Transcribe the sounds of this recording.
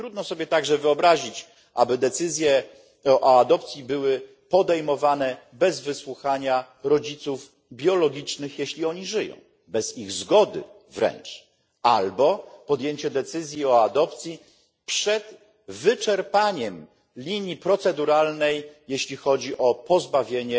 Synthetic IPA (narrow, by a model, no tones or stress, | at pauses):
t̪ɾud̪nɔsɔbʲjɛt̪aɡʐɛvɘɔbɾaʑit͡ɕ | ʔa̰bɘd̪ɛt̪sɘzʲjɛ | ʔɔad̪ɔpt̪sʲjibɘwɘ | pɔd̪ɛjmɔvanɛ | bɛzvɘswuxaɲa | ɾɔd͡ʑit̪suv | bʲjɔlɔɡʲit͡ʂnɘxjeɕlʲiɔɲiʐɘjɔ̰̃w̃ | bɛz̥iɣzɡɔd̪ɘ̰ | vɾɛ̰nt͡ʂ | a̰lbɔpɔd̪jeɲt͡ɕɛd̪ɛt̪sɘzʲjiɔad̪ɔpt̪sʲji | pʂɛd̪̥ | vɘt͡ʂɛɾpaɲɛm | lʲiɲjipɾɔt̪sɛd̪uɾalnɛjjeɕlʲixɔd͡ʑiʔɔpɔzbavʲjeɲɛ